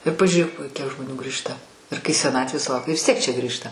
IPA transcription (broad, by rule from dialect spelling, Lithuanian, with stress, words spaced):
ɪr pɐʒʲuːˈrʲeːk kʲiɛk ʒmoːˈnʲuː ˈɡrʲiːʃtɐ ɪr kɐɪ sʲɛˈnɑːtʲʋʲeːs sʊˈlˠɐʊkʲɛ ʋʲɪs tʲiɛk t͡ʃʲɛ ˈɡrʲiːʃtɐ